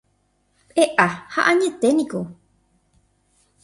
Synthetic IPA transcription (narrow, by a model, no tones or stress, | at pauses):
eʔaha̰ʔãɲẽt̪enĩko